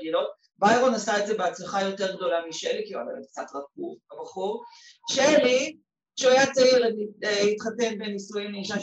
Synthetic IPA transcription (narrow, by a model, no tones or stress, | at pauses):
ɡilo̞t̚ | bajʁo̞nasaetzebeat͡slaχajo̞te̞ʁɡ̚do̞lamiʃḛlikia̰la̰k̚t͡sa̰tʁak̚ɡuvbabaχuʁ | ʃeli | ʃeajat͡saiʁaniitχatenbenisujimleiʃa